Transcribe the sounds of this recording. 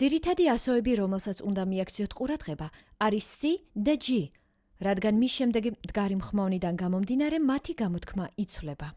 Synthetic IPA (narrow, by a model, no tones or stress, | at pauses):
d̪z̥iɾit̪ʰad̪iasɔɛbiɾɔmɛlˠsat̪sʰund̪amiakʰt̪sʰiɔt̪ʰqʼuɾad̪ʁɛbaː | ɾisːid̪ad͡ʒi | ɾad̪ɡanmisʃɛmd̪ɛɡimd̪ɡaɾimχmavnid̪anɡamɔmd̪inaɾɛmat̪ʰiɡamɔt̪kʰmait̪sʰvlɛba